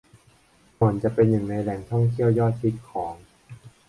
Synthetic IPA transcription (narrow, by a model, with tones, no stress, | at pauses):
mɔ˨˩˦nt͡ɕa˨˩pe˧njɯ˨˩ŋna˧jlɛ˨˩ŋt̪ʰɔ˥˩ŋt̪ʰi˥˩əwjɔː˥˩t̪̚pʰi˦˥t̪̚kʰɔː˩˦ŋ